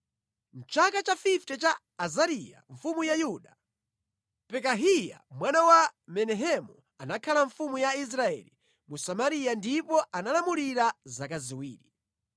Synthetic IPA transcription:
n̩t͡ʃakat͡ʃafiftɛt͡ʃaː | zaɾija̰ɱfumujajuɗa | pɛkaɦija̰mwanawamɛnɛɦɛmu | anakʰalaɱfumujais̬ɾaɛ̰lḭ | musamaɾijandipɔanalamuliɾazakaziwiːɾi

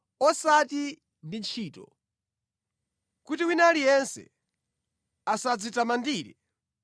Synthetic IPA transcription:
ɔsati | ndint͡ʃʰiːtɔ̰ | kutiwinalijɛnsɛ̰ | asad͡zitamandiːɾɛ̰

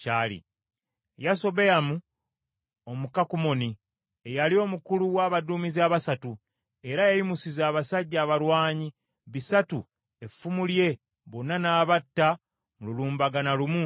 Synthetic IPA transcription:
aːlḭ | jaso̞bejamu | omukakumo̞ni | ejalio̞mukuluwaːβaduːmiziaβasatu | e̞ɾajajimusizaːβasaɟːaːβaɾwaːɲi | βisatu | efːumulje̞ | βonːanaːβatːa | mululuːmbaɡanalumu

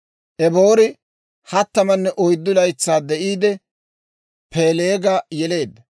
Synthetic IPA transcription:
ʔɛboːɾɪ | hɐt̪ːɐmɐnːɛʔɔjd̪ːʊlɐjt͡sːaːd̪ɛʔiːd̪ɛ | pʰeːleːɡɐjɛle̞ːd̪ːɐ

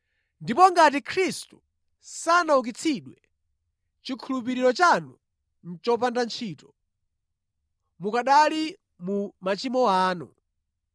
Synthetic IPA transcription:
ndipɔŋɡat̬ikʰɾistu̥ | sanauk̬it͡sʰiɗwɛ | t͡ʃikʰulup̬iɾiɾɔt͡ʃanu | n̩t͡ʃɔp̬andant͡ʃʰiːtɔ̥ | mukaɗali | mumat͡ʃimɔaːnṵ

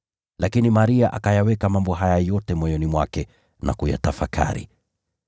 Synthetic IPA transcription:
lakinimaɾiaʔakajawɛkamambɔɦajajɔtɛmɔjɔnimwakɛ | na̰kuja̰tafakʰa̰ɾḭ

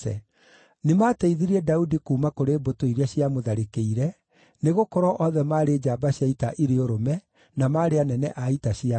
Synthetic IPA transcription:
ɛ̰ | nemaːteiðiɾiɛdaudikuːmakoɾeːbotoiɾeaɕjamoðaɾekeiɾɛ | neɣokɔɾɔʔɔðɛmaːɾeːd͡ʒaːbaɕjaitaʔiɾeoɾomɛ | namaːɾeanɛnɛ̰ʔaitaɕia

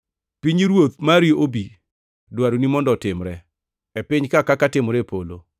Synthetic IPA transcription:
piɲiɾwot̪̚maɾiobi | dwaɾunimɔndɔtɪmɾɛ | epɪɲkakakatɪmoɾepolo

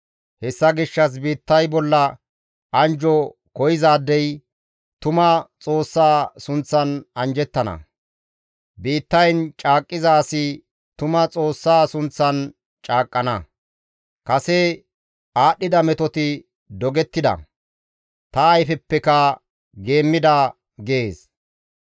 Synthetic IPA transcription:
hɛsːɐɡɪʃːɐs̬biːt̪ːɐjbɔlːɐ | ɐnd͡ʒɔ | kɔjɪzaːd̪ːɛj | t̪ʊmɐt͡sʼo̞ːsːaːsʊnt͡sːɐnɐnd͡ʒɛt̪ːɐnɐ̰ | biːt̪ːɐjnt͡ʃʼaːkʼːɪzaːsɪ | t̪ʊmɐt͡sʼo̞ːsːaːsʊnt͡sːɐn | t͡ʃʼaːkʼːɐnɐ | kɐse | aːɗːɪd̪ɐmɛt̪ɔt̪ɪ | d̪ɔɡɛt̪ːɪd̪ɐ̰ | t̪ɐːjfɛpːɛkɐ | ɡe̞ːmːɪd̪ɐ | ɡeːs

